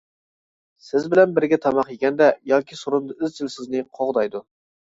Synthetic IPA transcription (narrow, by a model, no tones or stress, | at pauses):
sɪzbɪlɛnbɪɾɡʲɛt̪ʰɑmɑqjekʲɛnd̪ɛjɑːkʲʰisoɾund̪ɨyzt͡ʃʰilsɪznɪqʰoʁd̪ɑjd̪u